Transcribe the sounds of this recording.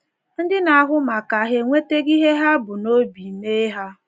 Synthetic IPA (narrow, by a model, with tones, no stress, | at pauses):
n̩˦dɪ˦na˨a˦ɦʊ˦ma˨ka˨ɦe˨ŋʷe˦te˦ɡi˦ɦe˦ɦa˦bʊ˨no˦bi˨me˦ɦa˦